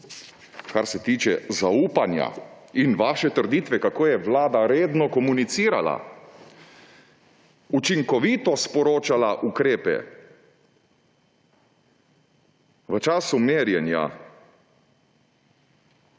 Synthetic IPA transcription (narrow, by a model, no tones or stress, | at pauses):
kaɾsɛt̪iːt͡ʃɛzauːpanja̰ | inʋaːʃɛt̪əɾd̪iːt̪ʋɛkakoːjɛʋlaːd̪aɾeːd̪nɔkɔmunit̪siːɾa̰la̰ | ut͡ʃiŋkɔʋiːt̪ɔspɔɾoːt͡ʃalaʔukɾeːpɛ̰ | ʋət͡ʃaːsumeːɾjɛnja̰